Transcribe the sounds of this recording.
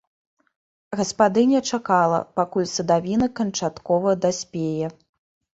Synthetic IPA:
ɣɐspad̪ɨnʲɛt͡ʂakalˠɐ̰pakulʲsɐd̪avʲinɐkɐnt͡ʂat̪kɔvɐd̪asʲpʲejɛ

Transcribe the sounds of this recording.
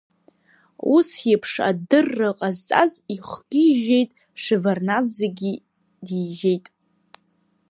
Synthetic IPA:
usjɪpʰʂa̰dɨrːɨqʼazt͡sʼaziχʷɡ̥ʲiʒejtʼ | ʂɨvarnazeɡʲi | diʒe̞jtʼ

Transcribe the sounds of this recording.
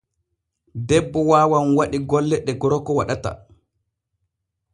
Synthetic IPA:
dɛbːɔwaːwanwaɗiɡɔlːɛɗɛɡɔɾɔkɔwa̰ɗata̰

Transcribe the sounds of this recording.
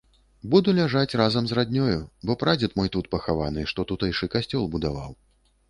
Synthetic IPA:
bud̪ulʲaʐat͡sʲrazɐmzrad̪ʲnʲɔjubɔpɾad͡zʲɛt̪mɔjt̪ut̪̚pɐxavanɨʂt̪ɔt̪ut̪ɛjʂɨkasʲt͡sʲɔlˠbud̪ava̰w

